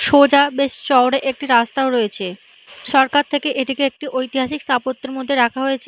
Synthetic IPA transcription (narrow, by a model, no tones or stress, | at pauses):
ʃod͡ʑabeʃt͡ɕɔoɽeʔek̚ʈiɾast̪aoɾoet͡ɕʰe | ʃɔɾkaɾt̪ʰekeʔeʈikeek̚ʈiʔojt̪iɦaʃikst̪ʰapot̪ːeɾmod̪ʱːeɾakʰaɦojet͡ɕʰe